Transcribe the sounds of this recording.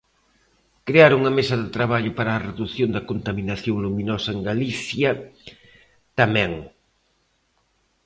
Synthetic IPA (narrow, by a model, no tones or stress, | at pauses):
kɾeaɾuŋɐmesɐðɪt̪ɾaβaʎʊpaɾaːreðuθjond̪ɐkont̪ɐminaθjoŋluminɔsɐeŋɡaliθjɐ | t̪amɛ̃ŋ